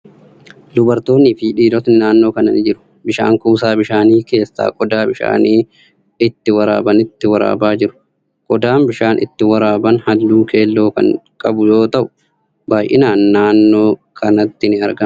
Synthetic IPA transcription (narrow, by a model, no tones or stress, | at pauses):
d̪ʊbɐɾt̪o̞ːnːɪfiːᶑiːd̪ɔt̪nɪnaːnːo̞ːkɐnɐnɪd͡ʒɪɾʊ̥ | bɪʃa̰ːŋkuːsaːbɪʃaːniːke̞ːsːa̰ːkʼɔd̪aːbɪʃa̰ːniː | ɪt̪ːɪwɐɾa̰ːbɐnɪt̪ːɪwɐɾa̰ːbaːd͡ʒɪɾʊ̥ | kʼɔd̪aːmbɪʃaːnʔɪ̰t̪ːɪwɐɾaːbɐnhɐd̪ːuːkʰe̞ːlːo̞ːkɐ̰ŋkʼɐbʊjo̞ːt̪ɐʔʊ̥ | baːjʔɪ̰naːnːaːnːo̞ːkʰɐnɐt̪ːɪnɪɐɾɡɐ